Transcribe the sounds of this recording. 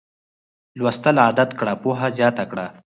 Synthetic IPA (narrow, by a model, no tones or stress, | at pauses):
lwɐst̪əlaːd̪at̪kɽapuɦazjɑːt̪akɽa